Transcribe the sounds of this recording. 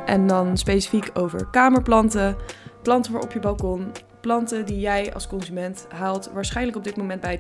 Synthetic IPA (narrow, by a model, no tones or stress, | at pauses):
ʔɛndɑnspejsi̥fikʰowvə̰ɹkaːməɹplɑntəplɑntəʋaːɹɔ̰pjəbɑlˠkɔn | plɑntədijɛjɑ̰lˠskɔnzymɛntɦaːlˠtʋaːɹsχɛjnləkɔbdɪtmowmɛndbɛj